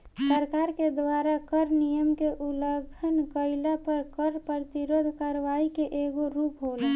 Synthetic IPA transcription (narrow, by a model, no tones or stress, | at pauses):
səɾkaːɾked̪waːɾakəɾnijəmkeʔuləɡʱənɡəɪlapəɾkəɾpəɾət̪iɾoːd̪ʱkaɾʋaikeʔeɡoɾuːpɦoːlẽː